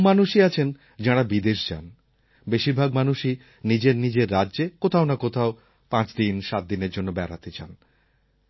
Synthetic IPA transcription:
manuʃiat͡ɕʰen | d͡ʑaɽabid̪eʃd͡ʑa̰n | beʃiɾbʱaɡmanuʃi | nid͡ʑeɾnid͡ʑeɾːaːʑekot̪ʰaonakot̪ʰao | pãt͡ɕd̪inʃat̪̚d̪ineɾd͡ʑonːobɛɾa̰t̪et͡ɕa̰n

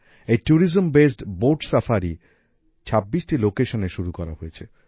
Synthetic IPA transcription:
ejʈuɾizombesʈboɾɖsafʰaɾi | t͡ɕʰabːiʃʈilokeʃoneʃuɾukɔɾa̰ɦojet͡ɕʰe

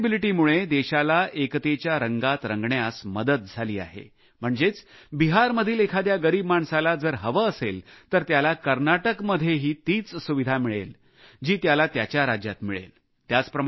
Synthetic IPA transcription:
biliʈiːmuɭed̪eɕalaʔekt̪et͡ɕjaɾəŋɡat̪ɾəŋɡɳjasməd̪ət̪̚d͡zʱaliːa̰ɦḛ | m̤əɳd͡zet͡sbiɦaɾməd̪ʱiːlekʰad̪jaɡəɾiːbmaɳsalad͡zəɾɦəʋəːselt̪əɾt̪jalakəɾnaʈəkməd̪ʱjeɦiːt̪iːt͡ssuʋid̪ʱamiɭḛl | d͡ʑiːt̪jalat̪jat͡ɕjaɾad͡ʑja̰t̪miɭḛl | t̪jat͡spɾə

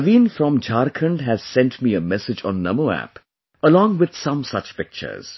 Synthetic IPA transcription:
ʋĩːnfɾɔ̃md͡ʒaːɾkʰə̃ɳɖɦæz̥sɛ̃nʈmiːəmɛsɪd͡ʒɔ̃nːʌmoæ̰p | əlɔ̃ːŋwɪd̪̥sʌ̃msʌt͡ʃpɪk̚t͡ʃə̰ɾz̥

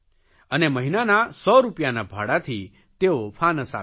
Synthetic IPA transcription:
əneməɦinanasɔɾupjanabʱaɽat̪ʰi | t̪eopʰanəsa̰

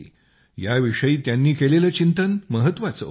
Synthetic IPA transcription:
jaʋiʂəjiːt̪janːiːkeleləːt͡ɕint̪ənməɦət̪ʋat͡sə̰

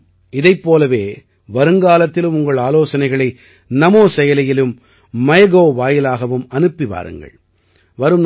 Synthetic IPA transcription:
ɪðɐɪpːoːlɐʋeː | ʋɐɾɯŋɡaːlɐt̪ːɪlɯmʊŋɡɐɭaːloːsɐnɐɪɣɐɭɐɪ | nɐmoːsɛjɐlɐjɪlɯmː | ɐjɐɣoːʋaːjɪlaːɣɐʋɯmɐnɯpːɪʋa̰ːɾɯ̰ŋɡɐ̰ɭ | ʋɐɾɯmn

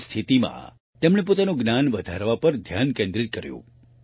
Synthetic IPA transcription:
st̪ʰit̪imã̰ | t̪emɳ̃ep̬ot̪anoɡnanʋəd̪ʱaɾʋapəɾd̪ʱjankẽnd̪ɾit̪̚kəɾjṵ̃

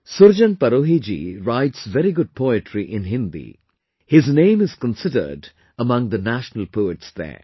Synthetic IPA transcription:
sʊɾd͡ʒə̃n̚pəɾoːɦid͡ʒḭɾaɪʈsʋɛɾiɡʊd̚pʰoɪʈʰɹiʔɪ̃nɦɪ̃nd̪ḭ | hɪznẽːmɪz̥kə̃nsɪdə̰˞ɖ | əmʌ̃ŋd̪ənæʃnəlpʰoːɪʈsd̪ɛ̰ː

